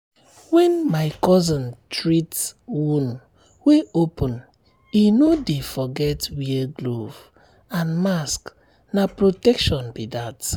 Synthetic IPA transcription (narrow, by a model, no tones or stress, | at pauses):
wɛ̃nmaɪkɔzɔ̃ntɹitswũn | weopɔ̃n | inodefɔɡɛtwiɡlo̰v | ãnmask | napɹotɛkʃɔ̃nbidat